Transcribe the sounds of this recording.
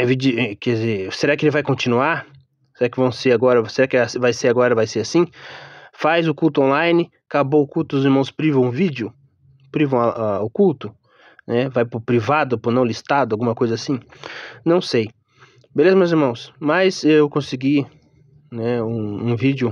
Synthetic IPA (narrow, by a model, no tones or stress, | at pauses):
ɛ̃vid͡ʒiɛkɛzeɾseɾakɪelɪvajkõnt͡ʃĩnuaɾ | seɾakɪvɐ̃w̃seɾaɡɔɾɐseɾakɪasvajseɾaɡɔɾɐvajseɾasĩ | fajzʊkuwt̪ʊõlajnɪ | kaboʊkuwt̪ʊʊziɾmɐ̃w̃spɾivɐ̃ũvid͡ʒɪʊ | pɾivɐ̃w̃aaʊkuwt̪ʊ | nɛvajpɾʊpɾivad̪ʊpʊnɐ̃w̃list̪ad̪ʊawɡũmɐkojzɐasĩnɐ̃w̃sej | belezɐmewziɾmɐ̃w̃smajzewkõsɪɡi | nɛũũvid͡ʒjʊ